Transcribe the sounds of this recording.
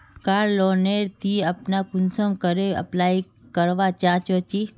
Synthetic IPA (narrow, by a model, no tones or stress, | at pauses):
kaːɾloːneːɾt̪iɐpnakʊnsəmkəɾeɐ̰plaːi | kəɾʋat͡ʃãːt͡ʃot͡ʃi